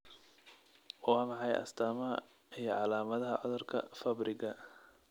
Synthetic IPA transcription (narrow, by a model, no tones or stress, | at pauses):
wɑːmɑħɑjɐ̰st̪ʰaːmɐɐ | ijɞʕɑlaːmɐðɐɦɐʕɔðʊrkʰɐ̰fɐbrɪɣɐ